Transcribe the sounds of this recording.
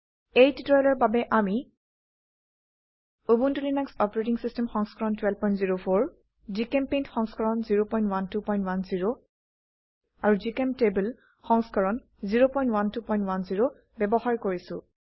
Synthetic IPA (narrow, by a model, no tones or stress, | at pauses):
ejtitɔjlɔɹbabɛʔami | obuntulinaksɔpɔɹetiŋsistɛmxɔŋskɔɹɔntwɛl̚pɔjntziɹopʰoɹ | zikempejntxɔŋskɔɹɔnziɹopɔjntwantupɔj̃ntwanziɹo | aɹuzikemtebul | xɔŋskɔɹɔn | ziɹopɔj̃ntwantupɔjntwanziɹo | bɛbɔxaɹkoɹisʊ̰̃